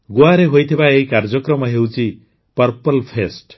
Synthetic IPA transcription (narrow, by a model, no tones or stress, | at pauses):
ɡuaɾeɦojt̪ʰibaeɦikaɾd͡ʒɔkɾɔmɔɦewt͡ʃʰi | pɔɾpɔlpʰesʈ